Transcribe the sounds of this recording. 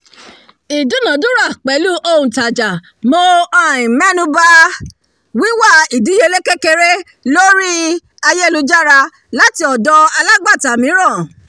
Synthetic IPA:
i˨du˨˦nã˨˦dũ˦ɾa˦˨k͡pɛ˨˦lu˦ʔo˧ũ˨ta˨d͡ʒa˨ | mo˧ã˦˨ĩ˨mɛ̃˦nũ˧ba˦ | wi˨˦wa˦˨i˨di˨˦je˧le˦ke˦ke˧ɾe˦ | lo˦ɾi˦ | a˧je˦˨lu˧d͡ʒa˦ɾa˧ | la˦ti˧˦ɔ˨dɔ˧a˧la˦ɡ͡ba˦˨ta˨mĩ˨˦ɾã˦˨

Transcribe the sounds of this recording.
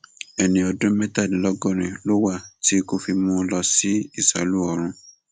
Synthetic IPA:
ɛ˨nĩ˧ɔ˧dũ˦mɛ˦ta˦˨dĩ˨˦lɔ˦ɡɔ̃˦˨ɾ̃ĩ˨lo˦wa˦˨ti˦ko˧fi˧mũ˦lɔ˧si˦i˦˨sa̰˨lu˦ɔ˧˨ɾ̃ũ˧

